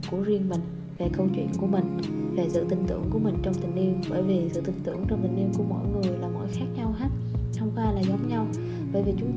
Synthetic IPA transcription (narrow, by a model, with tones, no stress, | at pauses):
ku˧˩əzi˧ənmï˨˩ŋ̟ | ve˨˩kə˧wt͡ɕwḭ˧˨ənku˧˩əmï˨˩ŋ̟ve˨˩sɨ̰˧˨t̪ï˨˩ŋ̟t̪ɨ̰˧˩əŋku˧˩əmï˨˩ŋ̟t͡ɕɔ˧ŋ͡mt̪ï˨˩ŋ̟ʔi˧əmɓəː˧˩jvi˨˩sɨ̰˧˨t̪ï˨˩ŋ̟t̪ɨ̰˧˨əŋt͡ɕɔ˧wŋ͡mt̪ï˨˩ŋ̟ʔi˧ənku˧˩əmo̰˧˨jŋɨ˨˩əjlaː˨˩mo̰˧˨jxaː˦˥k̚ɲa˧wɦaː˦˥t̚t̪ʰə˧wŋ͡mxwaː˧jlaː˨˩zɔ˨˦mɲa˧w | ɓəː˧˩jvi˨˩t͡ɕʊ˨˦ŋ͡m